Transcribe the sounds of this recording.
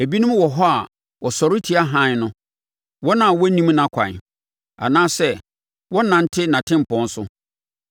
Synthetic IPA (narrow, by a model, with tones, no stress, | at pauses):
æ˨bi˦nʊ̃˦m˦wɔ˨ɦɔ˦a˨ | wɔ˨sɔ˨ɾɪ˦tʰi˦a˦ɦã˦n˦nʊ̃˦ | wɔ˦nã˨wɔ˦nĩ˦mnã˨kʷʰã̰˨ | a̰˨nãː˦sɛ˦ | wɔ˦nã˨n̩˦tʰɪ˦nã˨tʰɪ̃˦m̩˨pɔ̃˦n̩˦sʊ˦